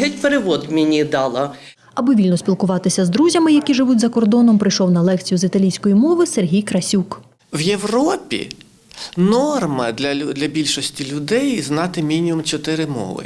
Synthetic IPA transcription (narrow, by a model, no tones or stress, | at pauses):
ɦɛtʲpeɾeʋɔd̪wmʲenʲid̪ɑlˠɐ | ɐbʊʋʲilʲnɔsʲpʲilˠkʊʋɑt̪ɪsʲɐzd̪ɾuzʲɐmɪjɐkʲiʒɪʋutʲzɐkɔrd̪ɔnɔmpɾɪjʃɔwnɐlˠɛkt͡sʲijʊzit̪ɐlʲijsʲkɔjimɔʋɪserɦʲijkɾɐsʲuk | wjewrɔpʲḭ | nɔrmɐd̪lʲɐd̪lʲɐbʲilʲʃɔsʲtʲilʲʊd̪ɛjznɑt̪ɪmʲinʲiʊmt͡ʃɔt̪ɪɾɪmɔ̰ʋɪ̰